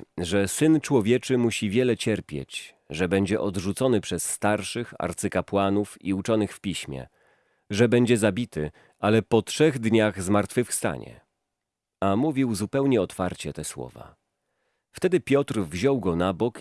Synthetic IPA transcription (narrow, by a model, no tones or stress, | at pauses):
ʐɛsɘnt͡ʂwɔvʲjɛt͡ʂɘmuɕivʲjɛlɛt͡ɕɛɾpʲjḛt͡ɕ | ʐɛbɛɲd͡ʑɛʔɔd̪ʐut̪sɔnɘpʂɛsːt̪aɾʂɘxa̰ɾt̪sɘkapwanufḭut͡ʂɔnɘxfpʲiɕmʲjɛ̰ | ʐɛbɛɲd͡ʑɛzabʲit̪ɘ | alɛpɔtʂɛɣd̪ɲaɣzmaɾt̪fɘfst̪a̰ɲɛ̰ | amuvʲiwzupɛwɲɛɔt̪faɾt͡ɕɛt̪ɛswɔ̰va̰ | ft̪ɛd̪ɘpʲjɔt̪rvʑɔwɡɔnabɔk